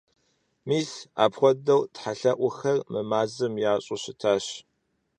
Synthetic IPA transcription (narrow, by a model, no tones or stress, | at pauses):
miːsa̰ːpχʷɔdɐwtħaɬɐʔʷʊxɐrmɨmaːzɨmjaːɕʼʊɕɪtʰaːɕ